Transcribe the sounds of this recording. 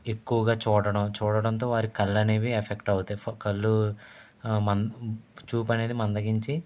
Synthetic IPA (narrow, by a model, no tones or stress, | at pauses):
e̞kːuʋɐɡaːt͡ʃuːɽɐɽɐmt͡ʃuːɽɐɽɐnt̪̬o̞ːʋaːɾikɐlːɐneːʋiepʰekʈɐwut̪ekɐlːu | mɐnt͡ʃuːpɐne̞ːd̪imɐnd̪ɐɡiɲt͡ʃi